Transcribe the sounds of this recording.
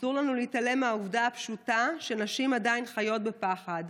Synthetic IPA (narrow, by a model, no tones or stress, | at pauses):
suʁlanuleitale̞meauvdaapʃutaʃenaʃimadainχajo̞t̚be̞paχad